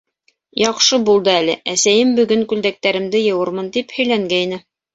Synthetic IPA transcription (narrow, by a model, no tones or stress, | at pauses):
jɑqʃɤbulˠd̪ɤælɘʔæsæjɘmbɵ̆ɡɵŋkʉld̪æk̚t̪æɾɘ̆md̪ɘjɤ̆wɤ̆ɾmɤnt̪iphɵ̆jlæŋɡæjnɘ